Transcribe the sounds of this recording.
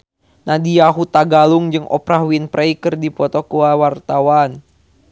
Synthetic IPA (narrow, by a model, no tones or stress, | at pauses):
nadijaɦut̪aɡaluŋd͡ʒɨŋʔɔ̰pɾaɦwinpɾʔɛjkɨrdipɔt̪ɔkuawart̪awan